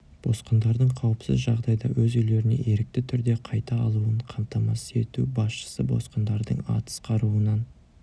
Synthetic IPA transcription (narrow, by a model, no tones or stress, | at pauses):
b̥o̞̰sqənd̪ɑɾd̪əɴqʰɑwəpsɪ̰zʒɑʁd̪ɑjd̪ɑ̰wɵzʏjle̞ɾɪne̞̰ʔe̞ɾɪk̚t̪ɪt̪ʰʏɾd̪e̞qʰɑjt̪ɑːlˠuəɴqʰɑmt̪ɑmɑse̞t̪ubɑsʃə̥səbo̞̰sqənd̪ɑɾd̪əɴɑ̰t̪ə̥sqʰɑɾuənɑn